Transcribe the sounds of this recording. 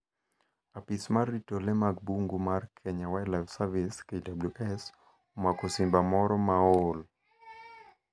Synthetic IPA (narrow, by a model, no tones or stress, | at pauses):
apismarːitolemaɡ̚buŋɡumarkʰɛɲawaɛlafsaviskeidabluʔɛs | omakosimbamɔɾɔmaol